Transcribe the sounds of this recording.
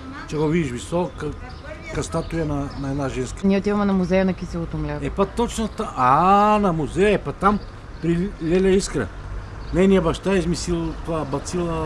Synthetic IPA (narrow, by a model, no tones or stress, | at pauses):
t͡ʃɛɡovid̪iʃvisɔkɐ | kɐst̪at̪ujɐnɐnɐɛd̪naʒɛnskəniɛʊt̪ivɐmɛnɐmuzɛjənɐkisilˠot̪ʊmlʲɛɛpɐt̪ot͡ʃnɐt̪aʔanɐmuzɛjəɛpɐt̪am | pɾilʲɛlʲɐiskɾə̰ | nɛjniɐbɐʃt̪aizmisilˠt̪abɐt̪silˠə